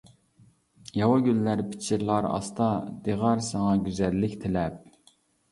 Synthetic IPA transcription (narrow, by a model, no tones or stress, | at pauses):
jɑwɑɡʲylːæɾpʰɪ̥t͡ʃʰiɾlˠɑɾɑ̰st̪ɑd̪̥eʁɑɾsɑŋɑɡʲyzɛlːɪkʲt̪ʰelɛp̚